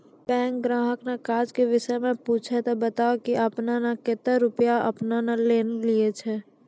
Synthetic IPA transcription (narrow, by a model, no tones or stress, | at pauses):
bɛ̃ːŋk̚ɡɾãːɦəknekaːd͡ʒkeʋɪʃəmẽpuːt͡ʃʰet̪obət̪aːokiʔəpnanaket̪əɾʊpjaɐ̰pnanaleːnliet͡ʃʰɛː